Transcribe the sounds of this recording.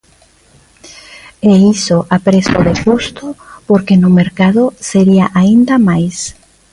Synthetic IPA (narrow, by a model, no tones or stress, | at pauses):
eisoʔapɾesoðepust̪ʊpoɾkenʊmeɾkaðʊseɾiaʔaind̪amajs